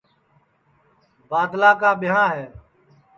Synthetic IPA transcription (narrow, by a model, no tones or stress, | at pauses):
baːd̪laːkaːɓɪɦãːɦɛː